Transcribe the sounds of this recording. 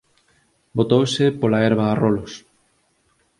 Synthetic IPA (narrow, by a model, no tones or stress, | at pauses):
bot̪owsepolaɛɾβaːrolʊs